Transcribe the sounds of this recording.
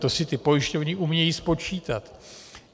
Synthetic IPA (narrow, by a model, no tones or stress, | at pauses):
t̪osɪt̪ɪpo̞jɪʃcovɲɪʔumɲɛjiːspo̞t͡ʃiːt̪at̪